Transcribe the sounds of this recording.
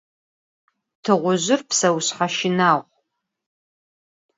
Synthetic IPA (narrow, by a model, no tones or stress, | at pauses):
tʰɨʁʷʊʒʷʊrpʰsɐwɕħaʃɪnaːʁʷ